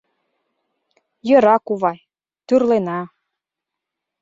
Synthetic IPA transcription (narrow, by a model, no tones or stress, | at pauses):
jɤ̆ɾɑkuβɑj | t̪yrlenɑ